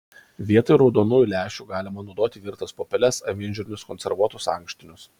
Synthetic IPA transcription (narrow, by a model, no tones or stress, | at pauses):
ʋʲiɛt̪ɐɪɾɒʊd̪oːnuːjulʲæːʃʲuːɡɑːlʲɪmɐnʊd̪oːt̪ʲɪʋʲiɾt̪ɐspoːpʲɛlʲɛsɐ̰ʋʲɪnʲʒʲuɾʲɪnʲʊskɔnʲsʲɛɾʋuɔt̪ʊsɑ̰̃ˑŋkʃʲt̪ʲɪnʲʊs